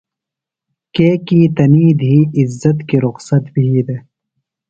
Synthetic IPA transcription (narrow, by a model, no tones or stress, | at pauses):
keːkiːt̪ɐniːd̪ɦiːɪzːɐt̪kiɾʊqsɐt̪biɦiːd̪e